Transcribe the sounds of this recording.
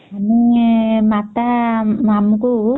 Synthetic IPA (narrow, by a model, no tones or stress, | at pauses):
aniŋmat̪amamku